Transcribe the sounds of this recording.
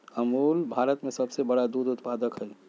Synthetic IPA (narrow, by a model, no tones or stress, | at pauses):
əmuːlbʱaːɾət̪mẽsəbsebəɽad̪uːd̪ʊt̪paːd̪əkɦɛi